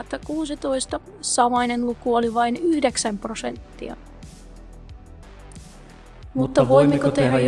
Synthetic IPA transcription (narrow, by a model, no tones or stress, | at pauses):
t̪ːɑkuːsit̪o̞ist̪ɑ | sɑʋoinenlukuoliʋɑinyhdeksæmprosent̪ːḭɑ̰ | mut̪ːɑʋoimːekot̪eeæ